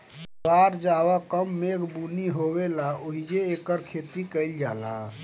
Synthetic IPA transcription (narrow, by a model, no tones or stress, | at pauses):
baɾd͡ʒaβakəmːekbuniɦoβelaoɦid͡ʒeːkəɾkʰet̪ikəɪld͡ʒala̰